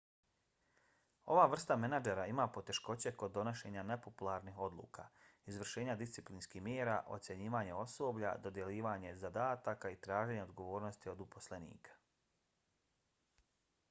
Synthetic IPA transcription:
o̞ʋaʋr̩st̪amenad͡ʒeɾaimapo̞t̪e̞ʃko̞t͡ɕe̞ko̞d̪ːo̞noʃe̞ːɲane̞po̞pulˠaɾnixo̞d̪lˠṵːka̰izʋr̩ʃe̞ːɲad̪ist̪siplinskihmjeːɾaʔo̞t̪sje̞ɲiːʋaɲeo̞so̞ːbʎa̰d̪o̞d̪je̞liːʋaɲe̞zad̪aːt̪akait̪ɾaːʒe̞ɲeo̞d̪ɡoʋo̞ːɾno̞st̪io̞d̪upo̞sle̞nḭːkʰḁ

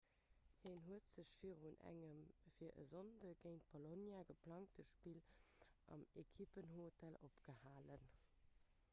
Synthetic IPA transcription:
heːnɦuətz̥əɕfiːʁunæ̰ŋəmfiːɐʔə̰zondəɡ̥eɪnt̚b̥olonjaɡəpʰlɑŋtəʃpiːlʔɑ̰mekʰipənhotʰælopɡ̥əhaːlən

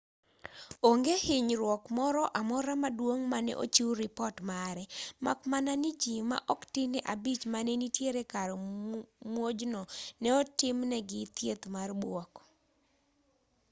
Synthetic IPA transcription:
oŋɡehɪɲɾwɔkmɔɾɔʔamɔɾamadwoŋmanɛ̰ʔo̰t͡ʃiɾɪpɔtmaɾɛma̰kmananɪd͡ʒima̰ʔɔktɪnɪʔabit͡ʃmanenitjeɾekaɾɔmwod͡ʒnɔnɛɔtɪmnɛɡɪt̪jet̪marbwɔk

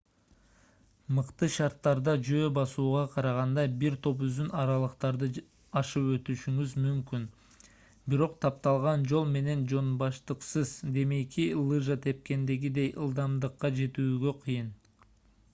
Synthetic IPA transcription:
mɯqt̪ɯʃɑɾt̪ːɑɾd̪ɑd͡ʒø̞ːbɑsuːʁɑqʰɑɾɑʁɑnd̪ɑbiɾt̪ʰo̞p̬yzd̪ynɑɾɑlˠɯqt̪ɑɾd̪ɯ | ɑʃɯpø̞t̪yʃyŋyzmymkyn | biɾo̞qt̪ʰɑp̚t̪ɑlˠʁɑnd͡ʒo̞lˠme̞ne̞nd͡ʒo̞nbɑʃt̪ɯqsɯzd̪e̞mejkʰilˠɨʒət̪ʰe̞p̚ke̞nd̪e̞ɡid̪e̞jʔɯ̰lˠd̪ɑmd̪ɯqːɑd͡ʒe̞t̪yːɡø̞qʰɯjɯn

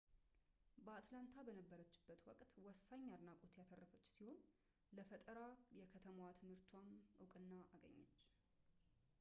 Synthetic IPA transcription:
bəat̪lant̪ʰabənəbːəɾət͡ʃːɪ̥bːət̪wɔkʼt̪wɔsːaɲːaɾnakʼut̪jat̪ʰərːəfət͡ʃːsiho̞n | ləfət̪ʼəɾajɛkʰət̪ʰəmat̪ʰɨmhɨɾt̪ʰwanʔɨkʼɨnːaʔaɡə̰ɲːa̰t͡ʃː

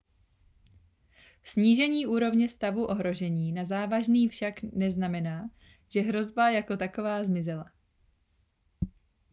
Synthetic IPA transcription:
sɲiːʒɛɲiːʔuːɾo̞vɲɛst̪avuʔo̞ɦɾo̞ʒɛɲiːnazaːvaʒniːfʃaknɛznamɛnaː | ʒ̥ɛɦɾo̞zbajako̞t̪ako̞vaːzmɪzɛla

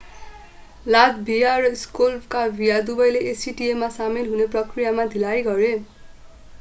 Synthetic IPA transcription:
ladbʱijaɾʌiskolpkabʱijad̪ubʌjleʔesiʈiemasamilɦuneprʌkrijamad̪ʱilajɡʌɾe

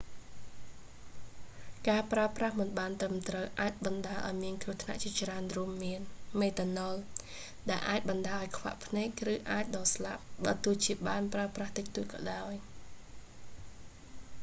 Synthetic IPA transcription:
kaːpraəprahmɨnɓaːnt̪rəmt̪rəwʔaːc̚ɓɑnɗaːəlʔa̰ɔjmiənkruəht̪ʰna̰ʔt͡ɕiət͡ɕraənruəmːiənmeːt̪anol | ɗaɛlʔa̰ːc̚ɓɑnɗaːʔajkʰʋa̰ʔpʰneːk̚rɨːʔaːc̚ɗɑːslap̚ɓaːt̪uət͡ɕiəɓaːnpraəpraht̪ɨk̚t̪uət̪̚kɑ̰ːɗaɔj

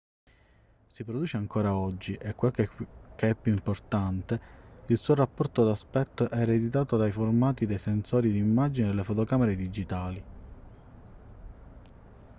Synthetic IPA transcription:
sipɾod̪uːt͡ʃeaŋkoːɾaɔd͡ʒːiʔekːwekkeɛpjuimport̪ant̪eilsuːoɾapːɔrt̪od̪aspɛt̪ːoʔɛːɾed̪it̪̬aːt̪od̪ajformaːt̪id̪ejsensoːɾid̪iimːad͡ʒined̪elːefot̪okameɾed̪id͡ʒit̪aːli

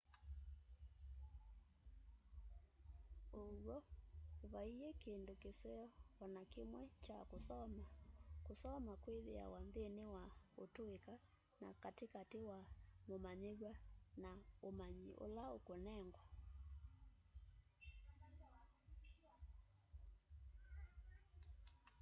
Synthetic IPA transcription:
owɔβaiekendokesɛɔɔnakemwɛt͡ʃakosɔmakosɔmakweðea̰wanðenewaotoeka | na̰katekatewamomaɲeɣwanaomaɲiʔo̰laokonɛŋɡwa

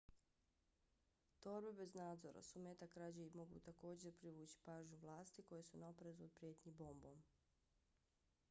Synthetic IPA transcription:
t̪o̞ɾbe̞be̞znaːd̪zo̞̰ɾa̰sumeːt̪akɾad͡ʑeimo̞ɡṵt̪ako̞ːd͡ʑe̞ɾpɾiʋuːt͡ɕi̥paːʒɲuʋlˠaːst̪iko̞jesunaopɾezuopɾijet̪ɲiboːmbom

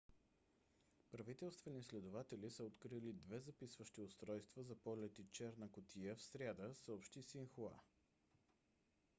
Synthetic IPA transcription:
pɾɐvit̪ɛlˠst̪vɛnislɛd̪ʊvat̪ɛlisəot̪kɾilid̪vɛzɐpisvəʃt̪iost̪ɾɔjst̪vəzɐpɔlʲɛt̪it͡ʃɛɾnəkʊt̪ʰijəfsɾʲjad̪əsəopʃt̪isinxoa̰

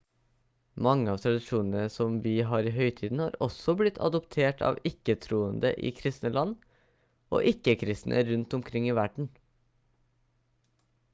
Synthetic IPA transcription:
mɑŋːəɑːʋt̪ʰɾɑd̪ɪʂuːnənəsɔmʋiːɦɑːɾiːɦœʏt̪ʰiːd̪n̩hɑːɾɔsɔblɪt̪ʰɑ̰d̪ɔpt̪ʰeːʈʰɑ̰ːʋɪkːət̪ʰɾuːənd̪ə̰ʔḭːkʰɾɪst̪nəlɑnː | ʔo̰ːʔɪkːəkʰɾɪst̪nʔə̰ɾʉnt̪ɔmkʰɾɪŋːiːʋæɖɳ̩

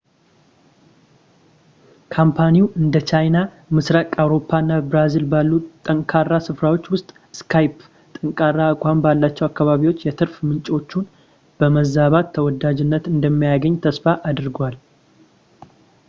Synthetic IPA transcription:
kʰampʰaniwʔɨnd̪ət͡ʃʰajna | mɨsɾakʼawɾo̞pʰːanːabɾazilbalːut̪ʼəŋkʼʰarːasɨfɾawo̞t͡ʃːwʊst̪ʼ | skʰajp | t̪ʼɨŋkʼarːaːkʷʼambalːat͡ʃːɛwakːaβaβiwo̞t͡ʃːjɛt̪ʰɨɾfmɨnt͡ʃʼo̞t͡ʃːun | b̥əməzaβat̪ʰːəwɔd̪ad͡ʒɪnːət̪ɨnd̪əmːijaɡəɲt̪ʰəsfaʔad̪ɨɾɡwal

